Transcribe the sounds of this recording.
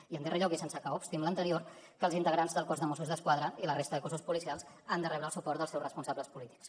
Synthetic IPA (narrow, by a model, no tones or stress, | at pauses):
iənd̪ereʎɔkisensəkaupst̪imlənt̪əɾioɾ | kəlzint̪əɣɾanzðəlˠkɔzðəmosuzðəskwaðɾəilərest̪əðəkozuspulisialˠz | and̪ərɛβɾəlˠsupɔrt̪əlˠsɛwzrəspunsaβləspulit̪i̥ks